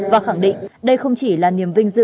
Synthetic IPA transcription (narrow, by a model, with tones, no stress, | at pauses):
vaː˨˩xa˧˩ŋɗḭ˧˨ŋ̟ɗə˧jxə˧wŋ͡mt͡ɕi˧˩laː˨˩ni˨˩əmvï˧ŋ̟zɨ̰˧